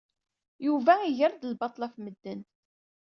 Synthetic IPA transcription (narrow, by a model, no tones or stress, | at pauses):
juvæiʝəɾd̪əlbɑt̪ˤlæfməd̪ːən